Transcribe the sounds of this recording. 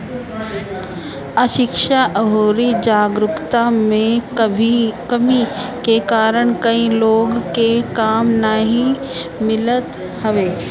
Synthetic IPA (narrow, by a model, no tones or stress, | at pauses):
əʃɪkʃaʔəɦoːɾid͡ʒaːɡɾʊkt̪amẽ | kɐmikekaːɾəɽ̃kɐĩloːɡkekaːmnaɦĩ | mɪlət̪ | hɐʋeː